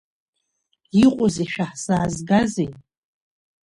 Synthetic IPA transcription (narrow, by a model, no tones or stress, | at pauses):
iqʷʼʊzeʃᶣaħsaːzɡazej